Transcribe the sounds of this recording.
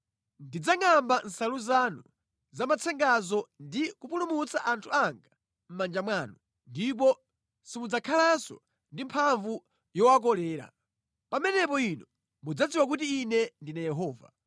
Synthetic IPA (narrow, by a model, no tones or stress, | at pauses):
ndid͡zaŋamban̩saluzanu | zamat͡sʰɛŋɡazɔndikupulumut͡saʔantʰuaŋɡa | m̩mand͡ʒamwaːnu | ndip̬ɔ | simud͡zakʰalansɔ̰ | ndimpʰaɱvu | jɔwak̬ɔlɛːɾa̰ | pamɛnɛpɔinɔ | mud͡zad͡ziwak̬utiːnɛndinajɛɦɔːva̰